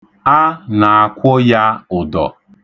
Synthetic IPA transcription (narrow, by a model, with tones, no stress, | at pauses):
a˦na˨a˨kʷɔ˦ja˦ʊ˨dɔ̰˨